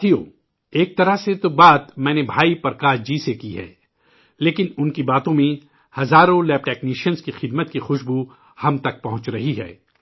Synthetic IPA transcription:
ijoː | eːk̚t̪ɐɾəɦset̪obaːt̪mɛ̃ːnebʱaːipɐɾkaːd͡ʒisekiɦɛ̰ː | leːkɪnʊnkibaːt̪õmẽ | hɐzaːɾõlɛːp̚ʈɛːkniːʃənskixɪd̪mət̪̚kixʊʃbu | hɐmt̪ɐk̚pɐɦʊ̃t͡ʃɾɐɦiɦɛ̰ː

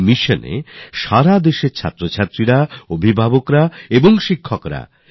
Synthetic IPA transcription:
miʃonḛʃaɾad̪eʃeɾt͡ɕʰa̰t̪ːɾot͡ɕʰat̪ːɾiɾaobʱibʱabokɾaeboŋʃikʰːokɾa̰

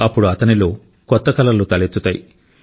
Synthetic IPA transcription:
ɐpːuɽuɐt̪ɐnilo̞ː | kɔt̪ːɐkɐlɐlut̪ɐlet̪ːut̪ɐjḭ

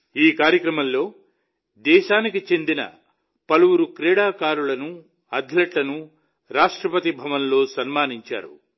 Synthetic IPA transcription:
iːkaːɾjɐkɾɐmɐmlːo̞ː | d̪ɛːʃaːnikit͡ʃe̞nd̪inɐ̰ | pɐluwuɾukɾɛːɽaːkaːɾulɐnu | ɐd̪ʱlɐʈlɐnu | ɾaːʂʈɾɐpɐt̪ibʱɐʋɐnlo̞ːsɐnmaːniɲt͡ʃa̰ːɾṵ

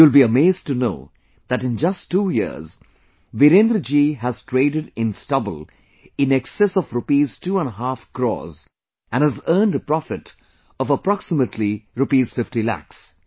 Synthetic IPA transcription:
julbiəmeːzʈtuno̰ː | ð̥æʈɪ̃nd͡ʒʌstːuːjḭz | ʋiɾẽnd̪ɾəd͡ʒiɦæz̥ʈʰɾeːɖəɖɪ̃nstʌbə̰lˠ | ɪ̃nɛksɛsɔfɾʊpiz̥tuːə̃nɦaːfkɾɔ̰ːz | ʔæ̃næzəːnɖəpɾɔfɪʈ | ɔvəpɾɑksɪməʈʰliɾʊpiːz̥fɪfʈilæ̰ks

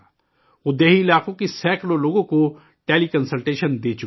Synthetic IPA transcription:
ʊd̪eːɦiɪlaːqõkisɛːkloloːɡõko | ʈeːlikɐnsəlʈeːʃənd̪eːt͡ʃʊ

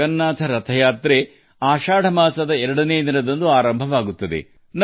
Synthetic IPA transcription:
ɐnːaːt̪ʰɐɾɐt̪ʰɐjaːt̪ɾe | aːʃaːɽɐmaːsɐd̪ɐɛɾɐɽɐneːd̪inɐd̪ɐnd̪uaːɾɐmbʱɐʋaːɡut̪ːɐd̪ḛ | n

